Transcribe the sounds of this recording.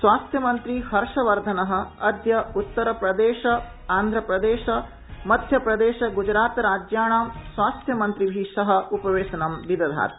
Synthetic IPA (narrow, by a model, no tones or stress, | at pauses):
sʋaːst̪ʰjɐmɐnt̪ɾihɐɾʂɐʋɐɾd̪ʱɐnɐɦɐ̆ɐd̪ʱjɐut̪ːɐɾɐpɾɐd̪eːʃɐ | aːnd̪ʱɾɐpɾɐd̪eːʃɐ | mɐd̪ʱjɐpɾɐd̪eːʃɐɡud͡ʒɾaːt̪ɾaːd͡ʒjaːɳaːmsʋaːst̪ʰjɐmɐnt̪ɾibʱiːʂɐɦɐ̆upɐʋeːʃɐnɐmʋid̪ɐd̪ʱa̰ːt̪